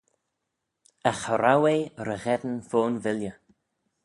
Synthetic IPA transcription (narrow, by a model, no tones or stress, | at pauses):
axəɾawejɾəɣɛd̪ən̩foːnvɪljə